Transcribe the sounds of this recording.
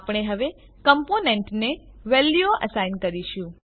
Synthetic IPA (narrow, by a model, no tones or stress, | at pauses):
pɽ̃eɦəʋe | kəmponeɳʈneʋɛlːjoʔə̰sainkəɾiʃũ